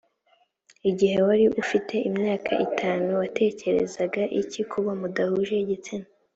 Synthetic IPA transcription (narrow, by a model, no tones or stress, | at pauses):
iɟihe̞waɾiʔufite̞ʔimɲaːkʰa̰ʔitʰaːnuwatʰe̞ːce̞ɾe̞̰zaɡaʔicikʰuβamudahuʒe̞ɟit͡sine